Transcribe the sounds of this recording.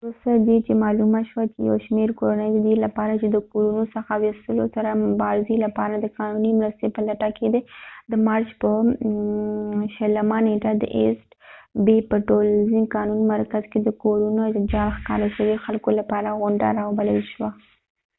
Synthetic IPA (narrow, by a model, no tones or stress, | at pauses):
ɾosad̪et͡ʃemɑlumaʃwat͡ʃeja̰wʃmeɾkoɾanəjd̪əd̪iɾlapɑɾat͡ʃed̪əkoɾunosəxawɪst̪əlosaɾamʊbɑɾɪzelapɑɾad̪əkɑnunimɾəst̪epəlaʈaked̪ed̪əmɑɾt͡ʃpə | ʃələmaneʈad̪ə̰ʔḛsʈbepəʈolzikɑnunmaɾkazked̪əkoɾunod͡ʒɑlxkɑ̰ɾaʃəwexalkolapɑɾaɣʊɳɖa̰ɾɑwbaləlʃwa